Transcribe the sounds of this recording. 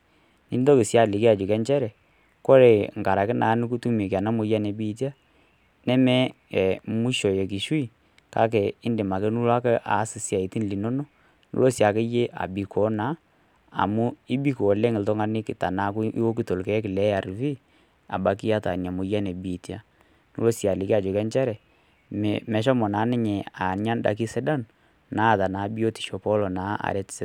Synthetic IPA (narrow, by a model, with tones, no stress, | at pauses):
ni˦ndɔ˦kɪ˨sja˨lɪ˨ki˦a˨d͡ʒu˨kɛ˦nt͡ʃɛ˦ɾɛ˨ | kɔ˦ɾɛ˨ŋ˨ka˨ɾa˨kɪ˦naː˨˦nu˦k̬u˦tu˦me˨ka˨na˦mʊ˨ja˦nɛ˨bi˦ti˦a˦ | nɛ˦mɛ˦ɛ˨mu˦ʃɔ˨je˨k̬i˨ʃu˦i˦ | ka̰˦k̬ɛ˨ɪ˦ndɪ˨ma˨kɛ˦nu˦la˦kɛ˦ʔa̰˨˦sɪ˦sja˨i˨ti˦n˨li˨no˦nɔ˦ | nṵ˦lo˦sa˨ke˦je˦ʔa̰˨bi˨kʰɔ˨˦na˨˦ | a̰˨mu˦i˦bi˦ko˨o˨le˦ŋɪ˨ltɔ˦ŋa˦nɪ˦kɪ˨ta˨na˨˦ku˦ḭ˦wo˦k̬i˨to˨lkɛ˦kɪ˨lɛ˦ja˨ɾfi˦ | a̰˨ba˨ki˦a˦ta̰˨n˨a˨mʊ˨ja˦ne˨bi˨tja˦ | nṵ˦lo˦sja˨lɪ˨kɪ˦a˨d͡ʒo˨kɛ˦nt͡ʃɛ˦ɾɛ˨ | m̰mɛ˨ʃɔ˦mɔ˨na˨˦nɪ˦ɲɛ˨a˨nɲa˦n˦da̰˨ki˦sɛ˦da˦n | na˨˦˨ta˨naː˨˦bi˦o˦ti̥˨ʃo˨pɔ˦lɔ˨na˨˦ʔa̰˨ɾɛ˨˦tsɛ˦